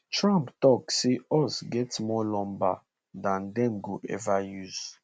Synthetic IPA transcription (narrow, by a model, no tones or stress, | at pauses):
tɹãmptɔkseɔsɡɛtmɔlɔ̃mba̰ | dãndɛ̃mɡoʔɛ̰vajuz̥